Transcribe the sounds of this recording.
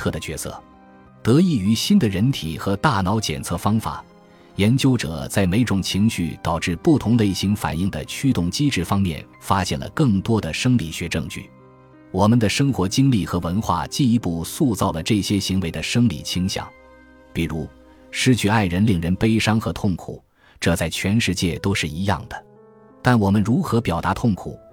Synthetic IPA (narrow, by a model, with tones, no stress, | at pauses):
ɤ˥˩d̪ə˩t͡ɕɥɛ˧˥sɤ̰˥˩ | t̪ɤ˧˥i˥˩y˧˥ɕi˥nd̪ə˨ɻə˧˥nt̪ʰi˨˩xɤ˧˥t̪a˥˩nɑ˧˥ʊt͡ɕjɛ̰˨˩nt͡sʰɤ˥˩fɑ˥ŋfa̰˨˩ | jɛ˧˥nt͡ɕjo˥ʊʈ͡ʂɤ̰˨˩t͡sa˥˩ɪme˧˥ɪʈ͡ʂʊ˨˩ŋt͡ɕʰi˧˥ŋɕy̰˥˩t̪ɑ˨˩ʊʈ͡ʂɻ̩˥˧pu˥˩t̪ʰʊ˧˥ŋd̪ə˧i˥˩ɕi˧˥ŋfa̰˨˩ni˥˩ŋd̪ə̰˩t͡ɕʰy˥t̪ʊ˥˩ŋt͡ɕi˥ʈ͡ʂɻ̩˥˩fɑ˥ŋmjɛ̰˥˩n | fa˥ɕjɛ˥˩nlə̰˩kɤ˥˩ŋt̪wɔ˥d̪ə˨ʂɤ˥ŋli˨˩ɕɥɛ˧˥ʈ͡ʂɤ̰˥˧ŋt͡ɕy̰˥˩ | wɔ˨˩mə˧nd̪ə˨ʂɤ˥ŋxwɔ˧˥t͡ɕi˥ŋli˥˩xɤ˧˥wə˧˥nxwa̰˥˩t͡ɕi˥˩i˧˥pu˥˧su˥˧t͡sɑ˥˩ʊlə˩ʈ͡ʂɤ˥˩ɕjɛ˥ɕi˧˥ŋwe˧˥ɪd̪ə˧ʂɤ˥ŋlḭ˨˩t͡ɕʰi˧˥ŋɕjɑ̰˨˩˦ŋ | pi˨˩ɻu˧˥ | ʂɻ̩˥t͡ɕʰy˥˧˥a˥˩ɪɻə˧˥nli˨˩ŋɻə˧˥npe˥ɪʂɑ˥ŋxɤ˧˥t̪ʰʊ˥˩ŋkʰṵ˨˩˦ | ʈ͡ʂɤ˥˧t͡sa˥˩ɪt͡ɕʰɥɛ˧˥nʂɻ̩˥˧t͡ɕjɛ˥˩t̪o˥ʊʂɻ̩˥˩i˧˥jɑ̰˥˩ŋd̪ə˩ | t̪a˥˩nwɔ˨˩mə˦nɻu˧˥xɤ˧˥pjɑ˨˩ʊt̪a˧˥t̪ʰʊ˥˩ŋkʰṵ˨˩˦